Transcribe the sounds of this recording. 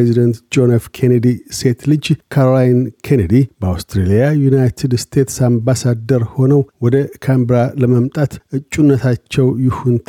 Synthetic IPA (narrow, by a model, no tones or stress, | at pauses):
ezid̪ənt̪d͡ʒo̞nefkʰened̪ise̞t̪lɨd͡ʒkʰaɾolajnkʰened̪ibəawst̪ɾelijajunajt̪ʰɨd̪st̪ʰe̞t̪sambasad̪əɾho̞nəwwɔd̪əkʰambɾaləməmt̪ʼat̪ʔɨt͡ʃʼːunːət̪ʰat͡ʃːɛwjɪhunt̪ʰ